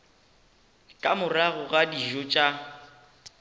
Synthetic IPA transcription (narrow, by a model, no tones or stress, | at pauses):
kʼamʊraɣʊɣadiʒɔt͡ʃʼa